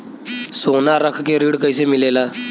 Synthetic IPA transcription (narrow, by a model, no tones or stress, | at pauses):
sonaɾəkʰkeɾiːɽkəjsemilela